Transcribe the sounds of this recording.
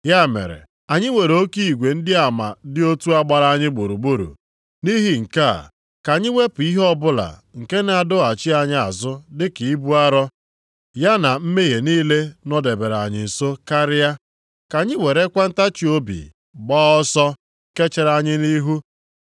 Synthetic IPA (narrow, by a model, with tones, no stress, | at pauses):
ja˦˨mḛ˨ɾḛ˨ | a˨ɲɪ˦we˨ɾe˨o˦ki˦i˨ɡʷe˨n̩˦dɪ˦a˨ma̰˨dɪ˦o˦tu˦a˦ɡ͡ba˨ɾa˦a˦˨ɲɪ˦ɡ͡bu˨ɾu˨ɡ͡bu˦ɾṵ˨ | ni˦ɦi˦ŋ̩˨ka̰˦˨ | ka˨ɲɪ˦we˦pʊ˨i˦ɦɔ˦bʊ˦la̰˨ŋ̩˨ke˦na˨dʊ˦a˨t͡ʃi˦a˨ɲɪ˦a˨zʊ˦dɪ˦ki˨i˦bu˦a˦ɾɔ˦ | ja˦na˨m̩˦me˦ɦe˨niː˦le˦nɔ˦de˨be˨ɾa˨ɲɪ˨so˦ka˦ɾɪ˦ja˦ | ka˨ɲɪ˦we˨ɾe˦kʷa˦n̩˦ta˦t͡ʃi˨o˦bḭ˨ | ɡ͡bɔː˦ɔ˦sɔ˦ | ke˦t͡ʃe˦ɾa˨ɲɪ˦ni˦ɦu˦